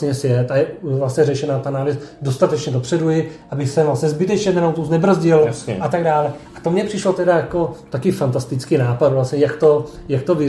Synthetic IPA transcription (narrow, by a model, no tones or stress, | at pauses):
ɲɛsjɛt̪ajɛvlasɲɛrɛʃɛnaːt̪anaːlɪsdo̞st̪at̪ɛt͡ʃɲɛdopr̝̥ɛdujɪʔabɪxsɛvlasɲɛzbɪt̪ɛt͡ʃɲɛnɛnawt̪uznɛbr̩zɟɪlsɛ̰ʔat̪aɡdaːlɛʔat̪omɲɛpr̝̥ɪʃlot̪ɛdajako̞t̪akɪfant̪ast̪ɪt͡skinaːpad̪vlasɲɛjakt̪o̞jak̚t̪ovɪ